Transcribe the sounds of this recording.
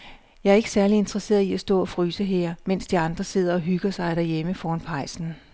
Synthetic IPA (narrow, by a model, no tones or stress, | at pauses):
jɑ̈ɪæɐe̝ɡ̥ə̥sæɐlie̝nd̥ʁɐse̝̰ːɐiæsd̥ɔ̰̽ːɒ̽fʁyːsəɦeɐ̰men̰sd̥iɑ̈nd̥ʁɐse̝ð̰ˠɐɒ̽ɦyɡ̥ɐsɑ̈ɪɾ̥æɐjeməfɒːnpʰɑ̈ɪsn̩